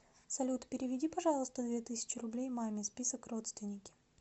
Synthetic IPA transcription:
sɐlʲut̪pʲɪɾʲɪvʲɪdʲipɐʐɑlˠəst̪əd̪vʲet̪ɨsʲɪ̥t͡ɕɪrʊblʲejmamʲɪspʲisəkro̞t̪st̪vʲɪnʲɪkʲɪ̥

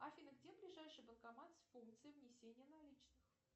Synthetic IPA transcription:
ɐfʲinəɡdʲeblʲɪʐajʂɨjbənkɐmat̪sʲfunk̚t̪sɨjəvnʲɪsʲenʲɪjənɐlʲit͡ɕnɨx

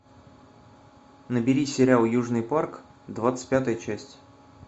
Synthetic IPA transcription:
nəbʲɪɾʲisʲɪɾʲalˠjuʐnɨjpark | d̪vat̪sɨ̥tʲpʲat̪əjət͡ɕæsʲtʲ

